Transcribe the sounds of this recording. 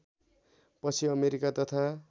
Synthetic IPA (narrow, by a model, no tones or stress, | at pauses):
pʌt͡sʰiʌmeɾikat̪ʌt̪ʰa